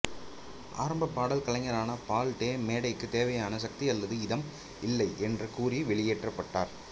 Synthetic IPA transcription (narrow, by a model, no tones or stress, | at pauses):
ʔa̰ːɾɐmbɐpːaːɽɐlkɐɭɐŋɡɐɾaːnɐpaːlʈeːmeːɽɐɪkːɯt̪eːʋɐjaːnɐsɐk̚t̪iɐlːɐðɯɪðɐm | ɪlːɐɪʔɛndrɐkuːriʋɛɭɪjeːʈrɐpːɐʈːaːɾ